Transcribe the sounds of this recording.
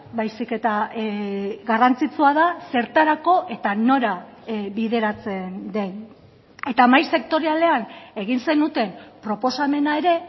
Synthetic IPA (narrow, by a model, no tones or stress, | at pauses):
bajsike̞t̪a | ɡarant͡sit͡suaðase̞ɾt̪aɾako̞ʔe̞t̪ano̞ɾaβiðe̞ɾat͡se̞nd̪e̞n | e̞t̪amajse̞k̚t̪o̞ɾiale̞ane̞ɣinse̞nut̪e̞mpɾo̞po̞same̞nae̞ɾe̞